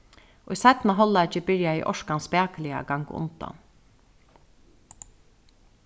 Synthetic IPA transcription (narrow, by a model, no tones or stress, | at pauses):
oisɛt̪maɦɔlːat͡ʃəbɪɹjaḭːʔɔʃkanspæːkəlɪa̰ɡaŋɡʊ̰nt̪a̰n